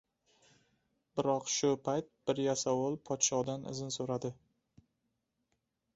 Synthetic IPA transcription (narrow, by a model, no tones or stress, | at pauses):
bɪɾɒqʃʊpʰajt̪̚b̥ɪɾjasawɒlˠpʰɒt̪ʃɒd̪anɪ̰zɪnsoɾad̪ɪ